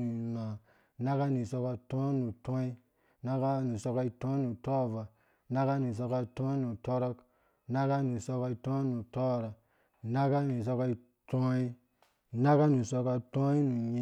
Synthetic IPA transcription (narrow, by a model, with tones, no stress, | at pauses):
u˨na˨ | na˦ka˦ni˨so˧ka˧˦tɔ̃˦nu˨tɔ̃˦i˦ | na˦ka˦nu˨sɔ˧ka˧i˦˧tõ˦nu˨tɔ˦˨va˨ | na˦ka˦ni˨s̬o˧ka˧˦tõ˦nu˨tɔ˦ɾɔ˦k | na˦ka˦nu˨sɔo˧ka˧i˧˦tõ˦nu˨tɔ˦˨ɾa˨ | na˦ka˦ni˨s̬o˧ka˧i˦˧ | to˦i˦ | na˦ka˦nu˨so˧ka˧˨tõ˦i˦nu˨ɲi˦